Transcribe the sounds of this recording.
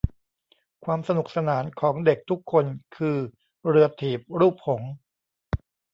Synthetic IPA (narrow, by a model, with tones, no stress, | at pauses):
kʰwaː˧msa˧nu˨˩k̚sa˧naː˩˦nkʰɔː˩˦ŋde˨˩k̚t̪ʰu˦˥kʰːo˧nkʰɯː˧ | ɾɯ˧ɐt̪ʰiː˨˩p̚ɾuː˥˩p̚hʰo˩˦ŋ